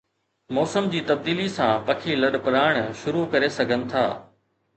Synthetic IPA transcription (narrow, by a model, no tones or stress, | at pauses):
mɔːsəmd͡ʑiːt̪ɐb̚d̪iːlisãʋɐkʰilɐɗpʊɾaːɪɽ̃ʃʊɾukɐɾesɐɡʱənɪ̆t̪ʰaː